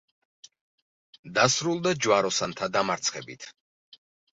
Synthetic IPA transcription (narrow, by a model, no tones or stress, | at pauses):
d̪asɾulˠd̪ad͡ʒwaɾɔsant̪ʰad̪amaɾt̪sʰχɛbḭt̪ʰ